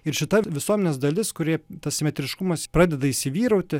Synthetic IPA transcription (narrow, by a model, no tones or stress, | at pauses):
ɪɾʃʲɪt̪ɐʋʲɪsuɔmʲɛnʲeːsd̪ɐlʲɪskʊɾʲiɛt̪ɐssʲɪmʲɛt̪ʲɾʲɪʃkʊmɐspɾɑːd̪ʲɛd̪ɐisʲɪʋʲiːɾɐʊt̪ʲɪ